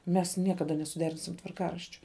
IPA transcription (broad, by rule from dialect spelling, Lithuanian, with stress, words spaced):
mʲɛs ˈnʲiɛkɐdɐ nʲɛsʊˈdʲæːrʲɪnʲsʲɪm tʋɐrˈkɑːrɐʃʲt͡ʃʲoː